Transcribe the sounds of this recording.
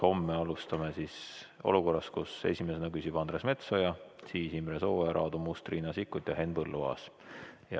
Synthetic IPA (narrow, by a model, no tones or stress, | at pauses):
ho̞mːeɑlust̪ɑmesiso̞̰luko̞rːɑskuse̞̰sʲimesenɑkysʲib̥ɑnd̪ɾesme̞t̪so̞jɑsiːsimɾeso̞ːeɾʔɑ̰ːd̪umust̪rinɑsikːˑut̪ʲjɑɦe̞nbɤlːuvɑ̰ːs | jɑ̰